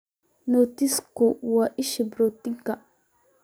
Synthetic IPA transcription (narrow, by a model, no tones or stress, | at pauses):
not̪ɪskowaʔɪʃɪbɾot̪ːɪŋka